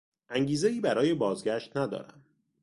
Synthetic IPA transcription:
ʔæŋɟiːzeiːbæɾɒːje̞bɒːzɡæʃt̪næd̪ɒ̰ːɾæ̰m

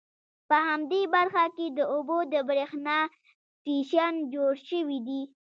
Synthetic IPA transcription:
pəhamd̪ebaɾxaked̪əobod̪əbɾexnɑ | tiʃand͡ʒoɽʃəwid̪i

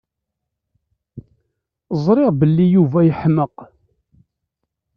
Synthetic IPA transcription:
zˤɾɪʁbəlːijuvæjəħməq

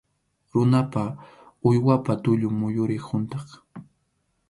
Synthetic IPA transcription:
ɾʊnapa | ʊjwapat̪ʊʎʊŋmʊjʊɾɪhʊnt̪ɑχ

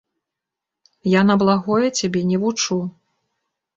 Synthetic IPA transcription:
janɐblˠaɣɔjɛt͡sʲabʲɛnʲɛvut͡ʂu

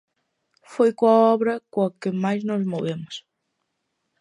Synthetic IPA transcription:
fojkõɐɔβɾɐkõɐkɪmajznozmoβemʊs

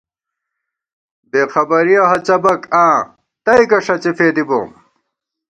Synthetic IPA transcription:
beːxɐbɐɾijɐɦɐt͡ɕɐbɐkãː | t̪ɐikɐʂɐt͡ɕefeːd̪ibo̰ːm

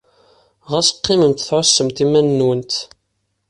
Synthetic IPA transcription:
ʁəsə̥qːɪməmt̪θʕʊsːəmt̪imænːwənt̪

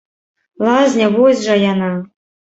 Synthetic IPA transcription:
lˠɑzʲnʲɑβozʲʐɑjɑnɑ

